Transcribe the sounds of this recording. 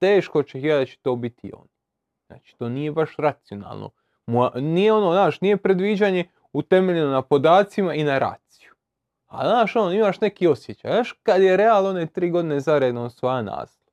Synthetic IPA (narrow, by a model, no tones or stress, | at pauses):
t̪eːʃko̞t͡ɕexjad̪at͡ɕe̥t̪oːbit̪ḭo̰n | z̥na̰ːt͡ʃi̥t̪o̞ːnije̞baʃɾat̪sijo̞na̰ːlˠnʔo̰ | moanijeo̞noːnaːʃnije̞pɾed̪ʋiːd͡ʑaːɲe̞ | ut̪e̞meʎenonapo̞d̪aːt̪simainaɾa̰ːt̪si̥ju̥ | a̰lnaːʃonoimaːʃne̞kio̞sjet͡ɕaːjnaːʃkad̪jeɾe̞alˠno̞net̪ɾiːɡo̞d̪ine̞zaɾed̪nosʋojana̰ːslˠo